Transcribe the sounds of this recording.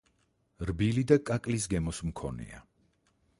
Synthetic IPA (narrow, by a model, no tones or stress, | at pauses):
ɾbilid̪akʼakʼlisɡɛmɔsmkʰɔ̰nɛ̰a̰